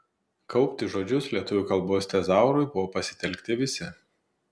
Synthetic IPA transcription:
kɒʊpʲt̪ʲɪʒoːd͡ʒʲʊslʲiɛt̪ʊʋʲukɐlˠboːsʲt̪ʲɛzɑˑʊɾʊɪbʊʋoːpɐsʲɪ̥t̪ʲɛlʲkt̪ʲɪʋʲɪsʲɪ

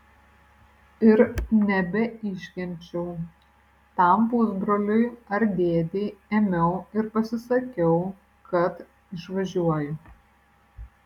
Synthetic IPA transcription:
ɪɾnʲɛbʲɛɪʃʲkʲɛnʲt͡ʃʲɛʊ | t̪ɐˑmbʊzbɾoːlʲʊɪɐɾd̪ʲeːd̪ʲeɪemʲɛʊɪɾpɐsʲɪsɐkʲɛʊ | kɐt̪ | ɪʃʋɐʒʲuɔjʊ

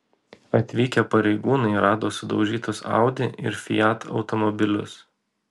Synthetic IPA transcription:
ɐt̪ʲʋʲiːkʲɛpɐɾʲɛɪɡuːnɐɪɾɑːd̪oːsʊd̪ɒʊʒʲiːt̪ʊsɑ̰ˑʊd̪ʲɪʔɪ̰ɾfʲɪjɑt̪ʰɒ̰ʊt̪ɔmɔbʲɪlʲʊ̰s

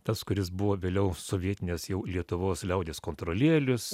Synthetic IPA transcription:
t̪ɐskʊɾʲɪs̬bʊʋoːʋʲeːlʲɛʊsoːʋʲiɛt̪ʲɪnʲeːsjɛʊlʲiɛt̪ʊʋoːslʲɛʊd̪ʲeːskoːnt̪ɾoːlʲeːlʲʊs

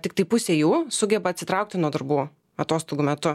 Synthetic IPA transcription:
t̪ʲɪkt̪ɐɪpʊsʲeːjuːsʊɡʲɛbɐt̪ʲsʲɪt̪ɾɐʊk̚t̪ʲɪnuɔd̪ɐɾbuː | ɐt̪oːst̪oːɡuːmʲɛt̪ʊ

